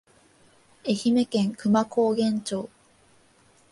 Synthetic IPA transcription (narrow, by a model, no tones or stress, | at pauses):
eçime̞kẽ̞ŋkɯ̟makʰoːɡẽ̞ɲt͡ɕo̞ː